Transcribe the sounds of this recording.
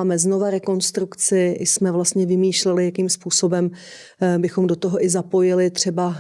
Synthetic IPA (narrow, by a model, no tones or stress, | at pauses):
mɛzno̞vaɾɛko̞nst̪ɾukt͡sɪɪ̰smɛvlast̪ɲɛvɪmiːʃlɛlɪjakiːmspuːso̞bɛm | bɪxo̞mdot̪oɦo̞ʔɪzapo̞jɪlɪt̪r̝̥ɛba